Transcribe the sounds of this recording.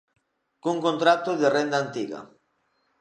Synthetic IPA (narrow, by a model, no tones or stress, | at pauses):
kuŋkont̪ɾat̪oðerend̪aːnt̪iɣa̰